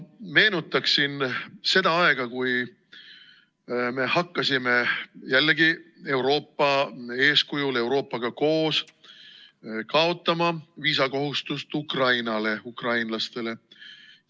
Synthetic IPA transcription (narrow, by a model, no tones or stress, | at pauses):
me̞ːnut̪ːˑɑksinse̞d̪̥ɑɑe̞ɡ̥ɑkuj | me̞hɑkːɑsime̞jælːeɡie̞wɾo̞ːpːɑe̞ːskujule̞wɾo̞ːpːˑɑɡ̥ɑko̞ːs | kɑot̪ˑːɑmɑviːsɑko̞ɦust̪ust̪ukrɑjnɑle̞ukrɑjnlɑst̪e̞le̞